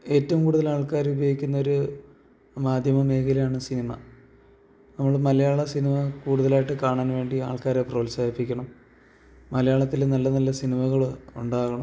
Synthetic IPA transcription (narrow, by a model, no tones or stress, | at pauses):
e̞ːtːɐʋumkuːɽuðɐlaːɭkaːɾubɐɣikʲːunːɐoɾu | maːd̪ʱjɐmɐme̞ːkɐlɐjaːɳɨsinimɐ | nɐmːɐɭmɐlɐjaːɭɐsinimɐkuːɽuðɐlaːjiʈːɨkaːɳaːnʋe̞ːɳɖiaːɭkaːɾeproːlsaːjipːikʲːɐɳɐmː | ɐlɐjaːɭɐt̪ːilnɐlːɐnɐlːɐsinimɐɣɐɭuɳɖaːɣɐɳɐm